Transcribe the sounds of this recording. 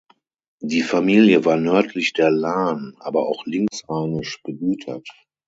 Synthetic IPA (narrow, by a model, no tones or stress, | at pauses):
diːfamiːljəvaːɐnœɐtʰlɪçd̥eːɐlaːnʔaːbɐaʊxlɪŋksaːnɪʃb̥əɡyːtʰɐ̰t